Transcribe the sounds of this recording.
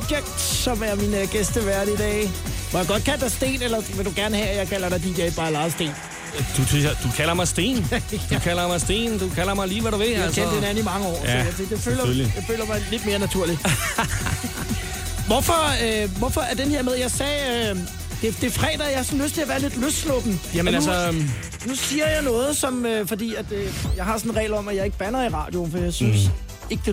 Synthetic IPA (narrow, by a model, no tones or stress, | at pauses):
ɡ̥emd̥sɒ̽mæɐminəɡ̥esd̥əʋæɐdid̥ɛ̰ːʋɒj̥ɑɡɒ̽d̥̚kʰæl̰d̥ɑ̈ɪsd̥e̝̰ːnelɐʋeld̥uɡ̥æɐnəhɛjɑ̈ɪkʰæl̰ɐɾ̥ɑ̈ɪd̥in̥jɛɪ̥b̥ɑ̈ːlɑ̈ːðˠsd̥e̝̰ːn | d̥ut͡sʰyd̥ukʰæl̰ɐmɑ̈ɪsd̥e̝̰ːnd̥ukʰæl̰ɐmɑ̈ɪsd̥e̝̰ːnd̥ukʰælɐmɑ̈ɪliːʋæɾuʋe̝lskʰend̥enænimɑ̈ŋəɒ̰ːɔmæsed̥eføːlɐlijɑfø̰ːlɐmɑ̈ɪle̝d̥me̝ːɐnæt͡sʰuɐ̰li̥ | ʋɒfɒʋɒfɒ̽æɐd̥enhe̝ɐmeð̞ˠjɑ̈ɪsɛː | d̥e̝d̥e̝fʁɛ̰ːd̥ɐjɑhɑ̈sɒ̽n̩løsd̥t͡sʰe̝læɐʋæːɐle̝d̥løsd̥slɔ̰ːd̥m̩jæmənælls | nusiːɐjɑ̈ɪnɔ̽ːð̞̩ˠsɒ̽møfɒ̽d̥ḭːæd̥jɑ̈ɪɦɑ̈sɔ̽n̩ʁɛ̰ːlɒ̽mæjɑ̈ɪe̝ɡ̥əb̥ænɐiʁɑ̰̈ːd̥jo̝nfɒijɑ̈ɪsyns | e̝ɡ̥əd̥e̝